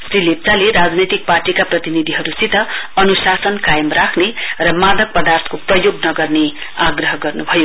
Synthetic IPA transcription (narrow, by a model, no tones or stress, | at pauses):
srilep̚t͡saleɾad͡znʌjt̪ik̚parʈikaprʌt̪inid̪ʱiɦʌɾusit̪ʌʌnusasʌnkajʌmrakʰnerʌmad̪ʌk̚pʌd̪art̪ʰkoprʌjoɡnʌɡʌrne | aɡrʌɦʌɡʌrnubʱʌjo